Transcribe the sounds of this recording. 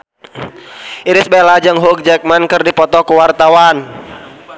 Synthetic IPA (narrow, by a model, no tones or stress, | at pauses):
iɾɪsbɛlad͡ʒaŋɦuk̚d͡ʒɛk̚mankɨrdipɔt̪ɔkuwart̪awan